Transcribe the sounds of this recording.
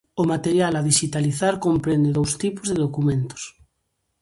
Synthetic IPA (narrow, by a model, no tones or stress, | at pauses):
omat̪eɾjalaðiʃit̪aliθaɾkompɾẽnd̪eðowst̪ipozðeðokumẽnt̪o̥s